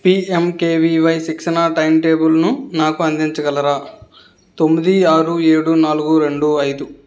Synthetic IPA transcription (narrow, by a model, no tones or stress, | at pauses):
piːemke̞ːʋiʋɐjsikʂɐnaːʈɐjmʈe̞ːbulnunaːkuɐnd̪iɲt͡ʃɐɡɐlɐɾaː | t̪o̞mːid̪iaːɾueːɽunaːluɡuɾe̞ɳɖuɐjd̪u